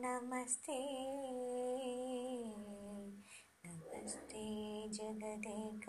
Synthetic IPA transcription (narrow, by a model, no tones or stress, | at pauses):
nɐmɐst̪e | nɐmɐst̪ed͡ʒɐɡɐd̪ek